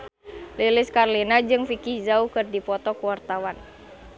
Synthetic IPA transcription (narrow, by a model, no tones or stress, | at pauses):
lilɪskarlinad͡ʒɨŋfikizaukɨrdipɔt̪ɔkuwart̪awan